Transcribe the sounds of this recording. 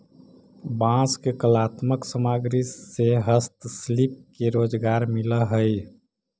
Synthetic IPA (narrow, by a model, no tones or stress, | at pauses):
bãskekəlaːt̪məksəmaɡɾiseɦəst̪slip̚keɾoːd͡ʒɡaɾmiləɦəj